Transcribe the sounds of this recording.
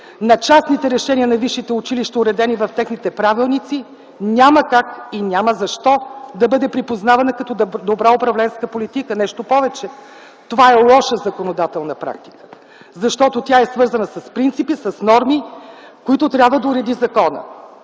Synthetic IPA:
nɐt͡ʃasnit̪ɛɾɛʃɛniənɐviʃːit̪ɛʊt͡ʃiliʃt̪əʊɾɛd̪ɛnivɐft̪ɛxnit̪ɛpɾavilˠnit̪si | nʲaməkakinʲaməzɐʃt̪ɔd̪ɐbɤd̪ɛpɾipoznavɐnəkɐt̪ɔd̪obɾaopɾɐvlɛnskəpolit̪ikənɛʃt̪opɔvɛt͡ʃɛ | t̪ovaɛlˠɔʃəzɐkonod̪at̪ɛlˠnɐpɾa̰k̚t̪i̥kə̥ | zɐʃt̪ɔt̪ot̪ʲjaɛsvɤɾzənəsɐspɾint̪sipisɐsnɔɾmikoit̪ʊt̪ɾʲabvəd̪ɐuɾɛd̪izɐkɔnə̰

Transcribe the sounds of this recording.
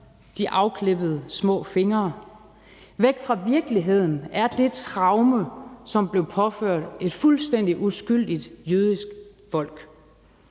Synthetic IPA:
d̥iʔɑ̈ʊkʰle̝b̥əð̞̩ˠəsmɔ̰̽ːfe̝ŋɐː | ʋeɡ̥fʁɑ̈ʋiɐɡ̥əliɦe̝ð̞̰ˠn̩æɐd̥e̝t͡sʰʁɑ̈ʊməsɒ̽mb̥le̝ʊpʰɒ̽føɐ̰d̥e̝d̥fulsd̥en̰d̥iʔusɡ̥yl̰d̥id̥jøð̞ˠisɡ̥fɒ̽l̰ɡ̥

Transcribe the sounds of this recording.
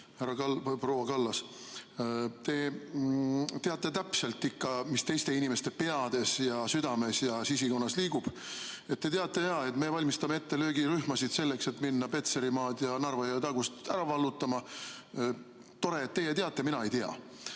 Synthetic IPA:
hærɑɑpro̞wɑkɑlːɑs | t̪e̞ | t̪eɑt̪ˑːe̞t̪æpse̞lt̪ːˑikːɑmist̪e̞jst̪e̞inime̞st̪e̞pe̞ɑd̪̥e̞sjɑsyd̪̥ɑme̞sjɑsisiko̞nːɑsliːɡ̥ub̥ | e̞t̪̚ːe̞t̪eɑt̪ːˑe̞jɑe̞t̪ˑme̞vɑlʲmist̪ɑme̞e̞t̪ːe̞løːɡiɾyhmɑsid̪̥se̞lːe̞kse̞t̪minːɑpe̞t̪se̞ɾimɑːd̪jɑnɑrvɑjɑt̪ɑɡust̪æɾɑvɑlːut̪ːˑɑmɑ | t̪o̞ɾe̞ːt̪ːe̞jet̪eɑt̪ːˑe̞minɑe̞jt̪eɑ̰

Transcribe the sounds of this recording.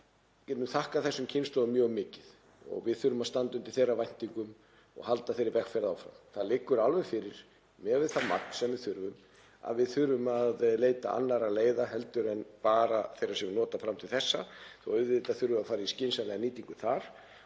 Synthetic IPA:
cɛt̪nʏmθahkaθɛsːʏmcʰɪnsɔɣʏmjœːɣmɪːcɪð | ɔ̰ɣvɪðθʏɾvʏmaðst̪ant̪ʏmt̪ɪlθejrːavajn̥t̪iŋkʏm | ɔ̰ɣhalt̪aθejɾɪɾvɛkfɛɾðawfɾa̰mθaðlɪkːʏɾalvɛfɪɾɪɾ̥ | mɛɣvɪðθama̰k̚n̥sɛmvɪðθʏɾvʏm | a̰ðvɪðθʏɾvʏmaðleːjt̪a̰ʔa̰nːaɾaleːjðaɦɛlt̪ʏɾɛnpaːɾaθejrasɛmvɪnɔːt̪afɾamt̪ʰɪlθɛsːaθɔʏðvɪt̪aðθʏɾvʏmaðfaːɾaiscɪnsalɛːɣaniːt̪iŋkʏθaɾ̥

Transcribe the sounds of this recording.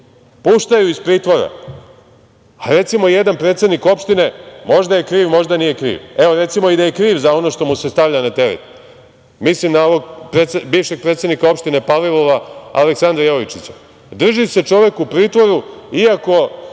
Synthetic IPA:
puʃt̪ajuispɾiːt̪ʋo̞ɾa̰ | aɾe̞t̪simo̞jed̪anpɾet̪se̞d̪niko̞pʃt̪ine̞mo̞ʒd̪aje̞kɾiːʋmo̞ʒd̪anije̞kɾḭːʋe̞o̞ɾe̞t̪simo̞id̪aje̞kɾiːʋzao̞no̞ʃt̪o̞muse̞st̪aʋʎanat̪e̞ɾḛt̪ | mislimnaoʋoɡ̚pɾet̪sebiːʋʃe̞ɡ̚pɾet̪se̞d̪nikao̞pʃt̪ine̞palilˠo̞ʋaa̰leksand̪ɾajoʋit͡ʃit͡ɕḁ | d̪r̩ʒise̞t͡ʃo̞ʋe̞kupɾiːt̪ʋo̞ɾuiako̞

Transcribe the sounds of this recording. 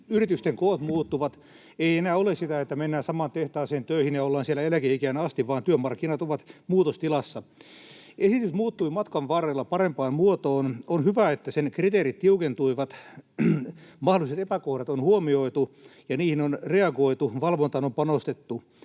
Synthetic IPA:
yrit̪yst̪eŋkoːt̪muːt̪ːuʋɑt̪ | eienæːolessit̪æet̪ːæmenːæːsɑmɑːnt̪eht̪ɑːseːnt̪øihinjɑolːɑːnsielæelækeikæːnæɑst̪iʋʋɑːnt̪yømɑrkːinɑt̪oʋɑt̪muːt̪ost̪ilɑsːɑ | esit̪ysmuːt̪ːuimɑt̪kɑʋʋɑːreːlːɑpɑrempɑːmmuot̪oːnonhyʋæet̪ːæsenkrit̪eːɾit̪t̪iukent̪uiʋɑt̪ | mɑholiset̪epækohdɑt̪onhuomioit̪ujɑniːhinonreɑɡoit̪uʋɑlʋont̪ɑnompɑnost̪et̪ːu

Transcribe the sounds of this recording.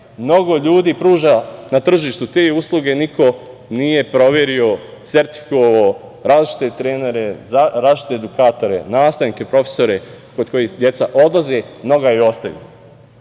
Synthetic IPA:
mno̞ɡo̞ʎuːd̪iːpɾuːʒanat̪r̩ʒiːʃt̪ut̪e̞ːuːslˠuɡe̞nikʰo̞ | nije̞pɾo̞ʋje̞ɾio̞ | se̞ɾt̪i̥fi̥koʋao | ɾaːziʃt͡ʃi̥t̪e̞t̪ɾe̞ːne̞ɾe̞zaɾaːziʃt͡ʃi̥t̪e̞ːd̪ukaːt̪o̞ɾe̞̰naːst̪anike̞pɾo̞feso̞ɾe̞ | kod̪̚ko̞jihd̪je̞t̪saʔo̞d̪lazemno̞ɡajeo̞st̪aʋḭo

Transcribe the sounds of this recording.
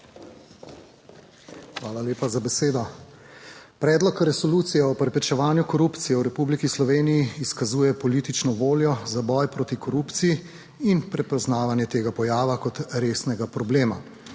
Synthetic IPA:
xʋaːlaleːpazabɛseːd̪ɔ | pɾɛːd̪lɔkɾɛsɔluːt̪sijɛɔpɾɛpɾɛt͡ʃɛʋaːnjukɔɾupt̪sijɛwɾɛpublikislɔʋeːnijiːskazuːjɛpɔlit̪it͡ʃnɔʋoːljɔzabɔjpɾoːt̪ikɔɾuːpt̪siji | inpɾɛpɔznaːʋanjɛt̪eːɡapɔjaːʋakɔt̪ɾeːsnɛɡapɾɔbleːma̰

